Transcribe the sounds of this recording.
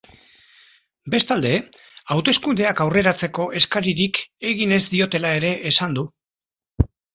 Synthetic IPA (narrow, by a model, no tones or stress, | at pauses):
be̞st̪ald̪e̞awt̪e̞skund̪e̞akawre̞ɾat͡se̞ko̞ʔe̞skaɾiɾike̞ɣine̞zd̪io̞t̪e̞lae̞ɾe̞ʔːsand̪u